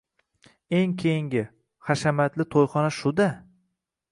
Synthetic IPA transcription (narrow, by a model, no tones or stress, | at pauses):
e̞ŋkʲʰejɪŋɡʲɪ | χaʃamat̪lɪt̪ʰojχɒnaʃʊd̪a